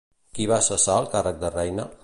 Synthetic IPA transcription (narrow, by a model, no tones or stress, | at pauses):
kiβasəsaəlˠkarək̚d̪ərɛjnə